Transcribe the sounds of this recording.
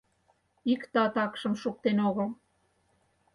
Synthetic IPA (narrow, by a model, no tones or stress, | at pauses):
ikt̪ɑt̪ɑkʃə̆mʃuk̚t̪enoɣəl